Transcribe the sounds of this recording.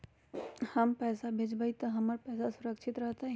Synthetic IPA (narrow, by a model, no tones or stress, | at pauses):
hɐmpɛːsabʱed͡ʒbəit̪ɐɦɐməɾpɛːsasʊɾəkʃʰɪt̪ɾəɦt̪a